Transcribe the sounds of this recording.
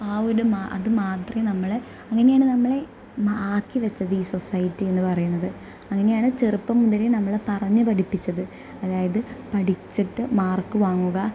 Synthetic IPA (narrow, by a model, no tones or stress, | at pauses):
aːoɽumaːʔɐ̰ðɨmaːt̪rɐnɐmːɐɭ | ɐŋːɐnejaːɳɨnɐmːɐɭe̞ | aːkːiʋɐt͡ɕːɐðɨiːso̞sɐjitːienːɨpɐrɐjunːɐðɨ | ɐŋːɐne̞jaːɳɨt͡ɕerupːɐmːund̪ðɐlenɐmːɐɭepɐrɐɲːɨpɐʈipːit͡ɕːɐðɨ | ɐðaːjɐðɨpɐʈit͡ɕːiʈːɨmaːrkːɨʋaːŋːuɣɐ